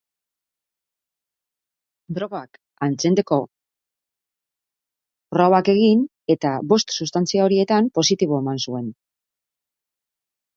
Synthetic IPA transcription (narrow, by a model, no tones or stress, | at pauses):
d̪ɾo̞ɣoak | ant͡send̪e̞ko̞ | roɣake̞ɣin | e̞t̪aβo̞st̪sust̪ant͡siao̞ɾie̞t̪ampo̞sit̪iβo̞e̞mansue̞n